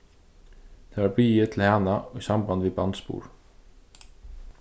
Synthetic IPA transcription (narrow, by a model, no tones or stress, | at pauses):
t̪ʰɛːvaɹbiːjɪt̪ʰɪlhaːnaɔjsamband̪vibant̪spṵːɹ